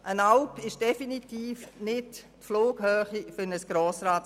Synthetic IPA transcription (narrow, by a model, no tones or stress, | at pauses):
ʔənaʊpɪʃd̥ɛfinitiːfnɪttfloːɡ̥høːχifʏnəsɡ̥ɾoːsraːt